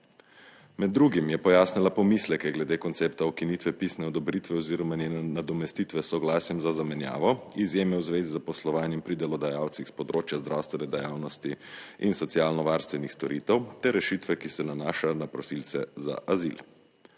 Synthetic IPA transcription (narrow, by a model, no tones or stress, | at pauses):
mɛd̪ːɾuːɡimjɛpɔjaːsnilapɔmislɛkɛɡlɛd̪eːkɔnt̪seːpt̪aɔkinit̪ʋɛpisnɛɔd̪ɔbɾiːt̪ʋɛɔziːɾɔmanjɛnɛnad̪ɔmɛst̪it̪ʋɛsɔɡlasjɛmzazamɛnja̰ːʋɔizjeːmɛwzʋeːzizapɔslɔʋaːnjɛmpɾid̪ɛlɔd̪ajawt̪sixspɔd̪ɾoːt͡ʃjazd̪ɾʔawst̪ʋɛnɛd̪ɛjaːwnɔst̪iinsɔt̪siaːlnɔʋaːɾst̪ʋɛnixst̪ɔɾit̪ɛwt̪ɛɾːɛʃiːt̪ʋɛkisɛnanaːʃajɔnapɾɔsilt̪sɛ̰za̰ʔazḭl